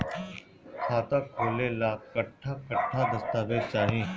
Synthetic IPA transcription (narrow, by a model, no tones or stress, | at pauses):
kʰaːt̪aːkʰoːleːlaːkəʈʰːaːkəʈʰːaːd̪əst̪aːʋed̪̚t͡ʃaːɦẽː